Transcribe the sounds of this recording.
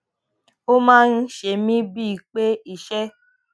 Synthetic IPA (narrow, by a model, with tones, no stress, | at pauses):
o˦mãː˦n̩˦ʃe˧˨mĩ˦bi˦i˨k͡pe˦i˨ʃɛ˦